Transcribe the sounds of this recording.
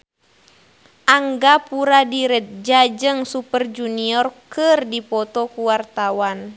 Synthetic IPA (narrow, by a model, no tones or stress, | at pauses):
ʔaŋɡapuɾadiɾət̪̚d͡ʒad͡ʒəŋsupərd͡ʒuniɔrkɨrdipɔt̪ɔkuwart̪awan